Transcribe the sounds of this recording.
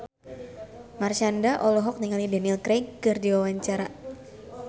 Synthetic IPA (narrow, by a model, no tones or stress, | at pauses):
marʃandaʔɔlɔɦɔk̚niŋalidɛnilkɾekɨrdiwawaɲt͡ʃaɾa